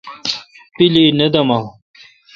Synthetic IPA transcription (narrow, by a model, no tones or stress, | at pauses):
pilinɐd̪ɐma